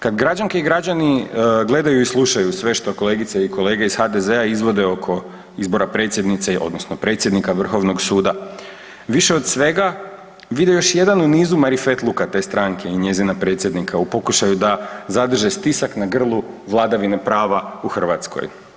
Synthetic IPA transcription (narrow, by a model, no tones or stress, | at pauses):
kad̪ɡɾad͡ʒaŋke̞iɡɾad͡ʑaniɡle̞d̪ajuislˠuʃajusʋe̞ʃt̪o̞ko̞le̞ːɡit̪seiko̞le̞ːɡeiz̥xad̪e̞ze̞aizʋo̞d̪e̞o̞kʰo̞ | izbo̞ɾapɾe̞t̪sjed̪nit̪seʔo̞̰d̪no̞snopɾe̞ːt̪sʲje̞d̪nikaʋr̩xo̞ʋno̞ɡsuːd̪a | ʋiʃe̞o̞d̪sʋe̞ɡa | ʋid̪ejo̞ʃje̞d̪anuniːzumaɾife̞t̪lˠukat̪e̞ːst̪ɾaŋkʰe̞iɲe̞zinapɾe̞ːt̪sʲje̞d̪nikʰaupo̞kuʃajud̪azad̪r̩ʒest̪isaknaɡr̩lˠuʋlˠad̪aʋinepɾaːʋauxr̩ʋat̪sko̰j